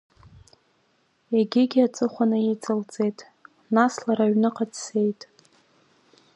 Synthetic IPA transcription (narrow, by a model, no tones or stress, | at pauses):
eɡʲɪɡʲiat͡sʼɨχʷanɨet͡sʼɨlt͡sʼe̞jtʼ | naslaɾaɥnɨqʼadse̞jtʼ